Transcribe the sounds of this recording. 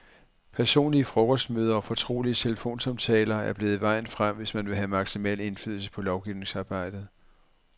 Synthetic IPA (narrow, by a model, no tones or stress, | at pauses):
pʰæɐso̝̰ːnliəfʁɔkʰɒ̽sd̥møːðˠɐɒ̽fɒ̽t͡sʰʁo̝̰ːliət͡sʰe̝ləfo̝̰ːnsɑ̈mt͡sʰɛːlɐæɐb̥le̝ːð̞̩ˠʋɑ̈ɪ̰n̩fʁam̰ʋe̝smænʋe̝ɦæmɑ̈ɡ̥simɛl̰e̝nfy̰ð̰ˠl̩sə̥pʰɒ̽lɒʊɡ̥iʊne̝ŋsɑ̈ːb̥ɑ̈ɪ̰d̥ð̞̩ˠ